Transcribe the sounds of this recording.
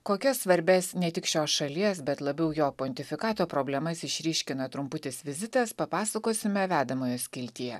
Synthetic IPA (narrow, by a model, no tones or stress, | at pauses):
koːkʲɛsʋɐɾʲbʲɛsnʲɛt̪ʲɪkʃʲoːsʃɐlʲiɛsbʲɛt̪lˠɐbʲɛʊjoːponʲt̪ʲɪfʲɪkɑːt̪oːpɾoːbʲlʲɛmɐsɪʃʲɾʲiːʃʲkʲɪnɐt̪ɾʊmpʊt̪ʲɪsʋʲɪzʲɪt̪ɐspɐpɑːsɐkoːsʲɪmʲɛʋʲæːd̪ɐmoːjoːsʲkʲɪlʲt̪ʲijɛ